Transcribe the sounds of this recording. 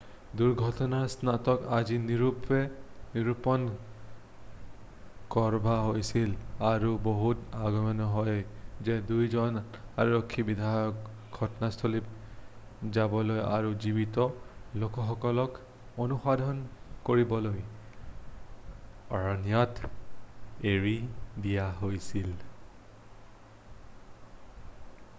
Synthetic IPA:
duɹɡʱɔtɔnaɹsnatɔkaziniɹupɛniɹupɔn | kɔɹbʱaɦojsilaɹuboɦutaɡɔmɔnɔɦɔjzɛdujzɔnaɹɔkʰːibid̪ʱajɔk | ɡʱɔtɔnastʰolip̚ | zabɔloja̰ɹuzibitɔlokɔxɔkɔlɔk | onuxadʱɔnkoɹibɔloj | ɔɹɔnjɔt | eɹidijaɦojsil

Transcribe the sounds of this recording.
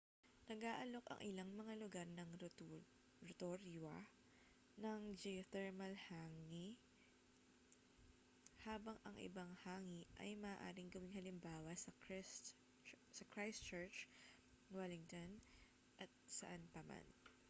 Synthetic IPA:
nɐɡaːʔɐlo̞kɐ̰ŋʔɪlaŋmɐŋalʊɡaɾnɐŋ | ɹot̪oɾjuɐ | nɐŋd͡ʒɛot̪ɛɹmɐlhaːŋi | haːbɐŋɐŋʔɪ̰bɐŋhaːŋiʔɐ̰jmɐʔaʔaːɾɪŋɡʊwɪŋhɐlɪmbaːwɐsɐks | sɐkɹajst͡ʃɛɹt͡ʃ | wɛlɪŋt̪on | ʔɐt̪̚sɐʔɐnpɐma̰n

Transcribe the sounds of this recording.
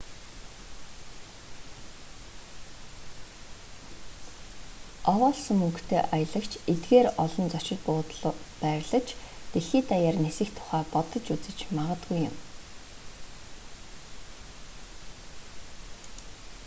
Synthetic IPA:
ɔwɔːɮsɵ̆mɵŋkt̪ʰeːʔajə̆ɮə̆kt͡ɕʰet̪ɡeːrɔɮɞ̆nt͡sɔt͡ɕɪ̆t̪̚pʊːt̪ɮpæːɾɮə̆t͡ɕʰt̪eɮxiːt̪ajaːrnesɘ̆xt̪ʰʊ̥χæːpɔt̪ɞ̆t͡ɕut͡sɘ̆t͡ɕmaʁə̆t̪ɡujʊ̰̆m

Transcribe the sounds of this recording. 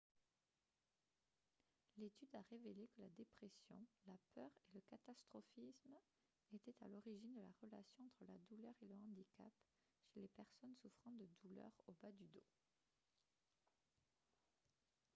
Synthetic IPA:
let̪yd̪aʁevelekəlad̪epχesjɔ̰̃lapœʁeləkat̪ast̪χɔfism | et̪ɛt̪a̰lɔʁiʒind̪əlaʁəla̰sjɔ̃ɑ̃t̪χəlad̪ulœʁeləɑ̃d̪ika̰p | ʃelepɛʁsɔnsufχɑ̃d̪əd̪ulœ̰ʁobad̪yd̪o̰

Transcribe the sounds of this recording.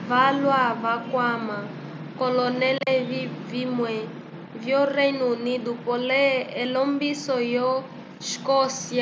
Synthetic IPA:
valwavakwama | kɔlɔnɛlɛvvimwɛ | vjɔreinunid̪upɔlɛːlɔmbisɔjɔ | ʃkɔsia

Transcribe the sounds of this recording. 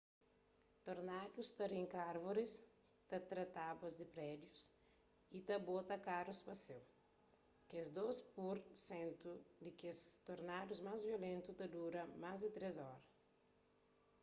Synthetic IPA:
t̪oɾnad̪ust̪ɐɾĩŋkaɾvoɾis | t̪ɐt̪ɾɐt̪abɐzd̪ɪpɾɛd̪jus | it̪ɐbot̪ɐkaɾuspɐsew | kezd̪ospuɾsẽnt̪ud̪ɪkest̪oɾnad̪uzmazviolẽnt̪ut̪ɐd̪uɾɐmazd̪ɪt̪ɾezɔɾɐ

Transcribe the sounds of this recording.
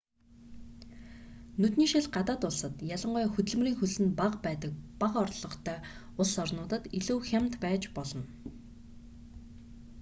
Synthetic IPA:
nɵt̪niːʃɪ̆ɮɢat̪aːt̪ʊɮsə̆t̪jaɮə̆ɴɢʊjxɵt̪ɘ̆ɮm̆riːŋxɵɮɘ̆npaqpæːt̪ə̆k̚paqɔrɮɞ̆χt̪ʰœː | ʊɮsɔrnʊːt̪ə̆t̪iɮuːxʲam̥t̪pæːt͡ɕpɔɮɞ̆n

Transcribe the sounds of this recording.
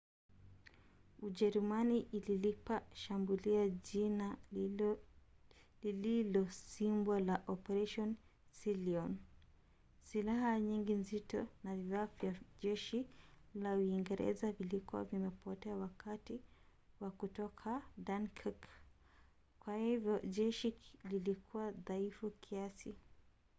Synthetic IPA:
uʄɛɾumaniʔililipaʃambuliaʄina | lililɔsimbalaʔɔpɛɾaʃɔnsiliɔn | silahaɲiŋɡinzitɔnaviafjaʄɛʃilauiŋɡɛɾɛ̰zavilikuwa̰vimɛpɔtɛawakati | wakutɔkʰadankʰik | kwahivjɔʄɛʃililikʰuwaðaifukʰiasi

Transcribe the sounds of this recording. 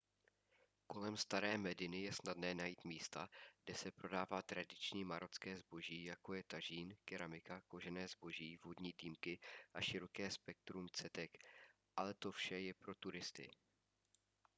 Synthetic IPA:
ko̞lɛmst̪aɾɛːmɛdɪnɪjɛsnadnɛːnajiːt̪miːst̪aɡ̥dɛsɛpɾo̞daːvaːt̪ɾadɪt͡ʃɲiːmaɾʔot͡skɛːzbo̞ʒiːjako̞jɛt̪aʒiːnkɪɾamɪkako̞ʒɛnɛːzbo̞ʒiːvodɲiːd̪iːmkɪʔaʃɪɾo̞kɛːspɛk̚t̪ɾumt͡sɛt̪ɛk | ʔalɛt̪o̞fʃɛjɛpɾo̞t̪uɾɪst̪ɪ̰

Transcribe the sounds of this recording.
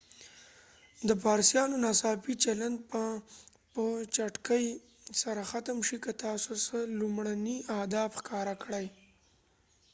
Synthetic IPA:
d̪əpɑɾsjɑnonasɑpit͡ʃaland̪̚p | pət͡ʃaʈkəj | saɾaxat̪əmʃikat̪ɑsosəlumɽaniad̪ɑbxkɑɾakɽaj

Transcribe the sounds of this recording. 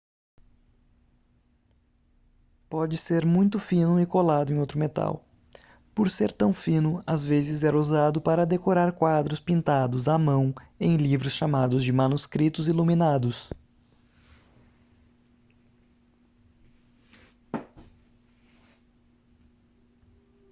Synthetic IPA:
pɔd͡ʒɪseɾmũj̃t̪ʊfĩnʊɪkolad̪ʊẽj̃owt̪ɾʊmet̪a̰w | poɾseɾt̪ɐ̃w̃fĩnʊazvezɪzɛɾuzad̪ʊpaɾɐd̪ekoɾaɾkwad̪ɾʊspĩnt̪ad̪ʊzamɐ̃w̃ẽj̃livɾʊsʃamad̪ʊzd͡ʒɪmɐnuskɾit̪ʊziluminad̪ʊs

